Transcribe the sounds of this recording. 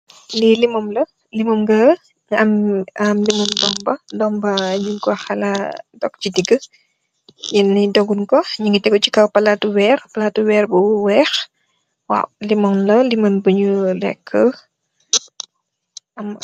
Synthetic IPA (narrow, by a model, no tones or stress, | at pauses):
lilimɔmlɐ | limɔmɡɐ | ɐmɐmlimɐndɔmbɐdɔmbɐɲiŋkɔxɐladɔk̚t͡ʃidiɡə | jinːidɔɡunkɔɲiŋɡətɛɡɔt͡ʃikɐwpɐlatuwɛːrpɐlatuwɛːrbuwɛːx | wa̰wlimɔmlɐlimɐnbəɲulɛkʰːə | ɐm